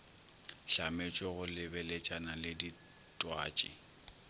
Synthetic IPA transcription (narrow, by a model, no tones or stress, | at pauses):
ʃamet͡ʃʼɔɣʊlɪbɛlet͡ʃʼanalɪdi | tʼwa̰ːt͡ʃʼɪ̰